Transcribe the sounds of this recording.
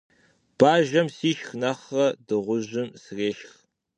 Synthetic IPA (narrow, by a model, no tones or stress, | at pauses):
b̥aːʒɐmsiːʃxnɐχɐdɨʁʷʊʑɪmsreːʃx